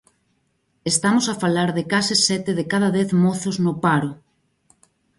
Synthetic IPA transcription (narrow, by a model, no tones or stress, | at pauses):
est̪amosafalaɾðɪkasɪsɛt̪ɪðekaðɐðɛθmoθoznʊpaɾʊ